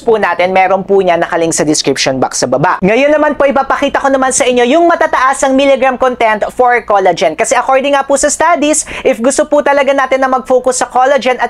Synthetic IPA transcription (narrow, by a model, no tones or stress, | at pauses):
pʊnaːt̪ɪnmɛːɾonpʊɲɐnɐkɐlɪŋsɐd̪ɪskɹɪpʃonba̰ksɐbɐbaʔŋɐjonːɐmanpoʔɪpaːpɐkiːt̪ɐkonɐmansɐʔɪɲːo̞jʊŋmɐt̪aːt̪ɐʔasɐŋmilɛɡɾamkont̪ɛnt̪foɹkolɐd͡ʒɛnkɐsɛʔɐko̞ɹd̪ɪŋːaːpʊsɐst̪aːd̪isʔɪfɡʊst̪opʊt̪ɐlɐɡanaːt̪ɪnːɐmɐɡ̚foːkʊsːɐkolɐd͡ʒɛnɐt̪